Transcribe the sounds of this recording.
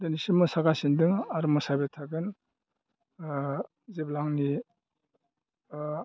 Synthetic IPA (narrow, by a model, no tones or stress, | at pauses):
denisimɯsaɡasindɯŋaɾmɔsabetʰaɡɯn | zeblaŋni